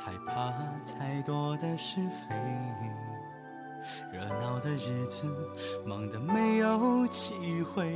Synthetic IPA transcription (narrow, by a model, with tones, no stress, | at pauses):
xa˧˥ɪpʰa˧t̪ʰa˥˧ɪt̪wɔ˥d̪ə˧ʂɻ̩˥˧fe˧˥ɪi˧ŋ | ɻə˧˥nɑ˧˩ʊd̪ə˧ɻ̩˧˥˩t͡sɹ̩˧mɑ˧˥ŋd̪ə˨me˧˥ɪjo˧˥ʊt͡ɕʰi˧˥xwe˥˧ɪ